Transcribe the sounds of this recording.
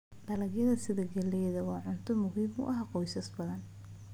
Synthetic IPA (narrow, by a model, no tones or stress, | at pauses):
ɖɐlɐɡjɐðɐsɪðɐɡɐlɛjðɐwɑːʕʊnt̪ʰɔmʊɦiːmʊ̰ʔɐɦaqɔjsɐsbɐðɐn